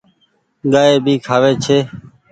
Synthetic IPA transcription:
ɠaːeːbʱiːkʰaːʋeːt͡ʃʰeː

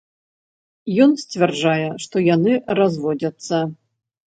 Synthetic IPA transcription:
jɔnsʲt͡sʲvʲɛrd͡ʐajɛʂt̪ɔjanɨrazvɔd͡zʲɐt̪sːɐ

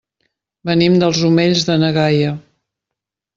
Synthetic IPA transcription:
bənimd̪əlˠzumeʎzðənəɣajə

